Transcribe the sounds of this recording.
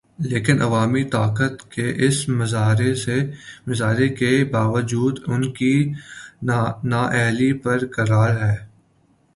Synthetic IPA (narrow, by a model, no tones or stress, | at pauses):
leːkɪnɐ̰ʋaːmit̪aːkət̪keʔɪsmɪzaːɾesemɪzaːɾekebaːʋəd͡ʒuːd̪ʊnki | naːʔɛɦlipɐɾkɐɾaːɾɦɛː